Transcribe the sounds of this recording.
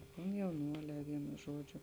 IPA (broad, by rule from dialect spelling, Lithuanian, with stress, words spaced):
koːmʲjɛʊˈnuɔlʲɛː ˈʋʲiɛnʊ ˈʒuɔd͡ʒʲʊ